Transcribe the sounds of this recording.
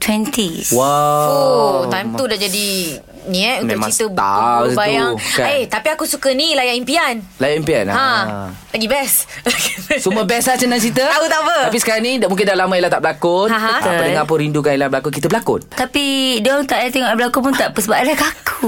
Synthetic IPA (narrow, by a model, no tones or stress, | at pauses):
t̪ʰwɛnt̪iwaot̪ajmt̪udaʔd͡ʒadi | niɛtũnkmt͡ʃiəbabajaŋaet̪apiakusukənilajaʔimpianlajaʔimpianhãlaɡibɛslasuməbɛslat͡ʃənant͡ʃit̪̬əaut̪aʔbəapisə̥kaɾaŋnidamuŋk̬ɪndalamãilat̪aʔbəlakʊãɦaə̃əpədəŋãpəɾindukanilabəlakʊkit̪əbəlakʊ̰t̪̚t̪apidɔnt̪aʔat̪eŋɔʔbəlakupunt̪aʔpəsəbaanlakakʰu